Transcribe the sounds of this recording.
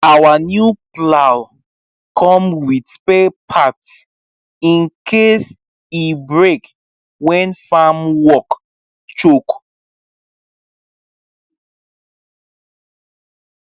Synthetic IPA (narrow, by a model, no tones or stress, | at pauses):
awanjuplaw | kʰɔ̃mwidspepʰat | ĩnkʰes | ibɹek | wɛ̃nfamwɔk | t͡ʃok